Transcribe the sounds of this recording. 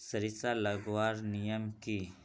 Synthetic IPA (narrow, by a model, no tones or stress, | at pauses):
səɾisaləɡwaːɾnijəmki